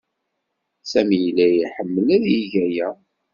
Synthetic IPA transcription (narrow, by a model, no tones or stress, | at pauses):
sæmijlːæjiħəmːəlæðjiʝæjæ